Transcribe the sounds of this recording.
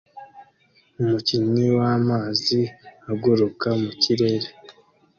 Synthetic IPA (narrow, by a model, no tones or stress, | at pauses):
umuciɲiwaːmaːziaɡoɾukamuciɾe̞ːɾe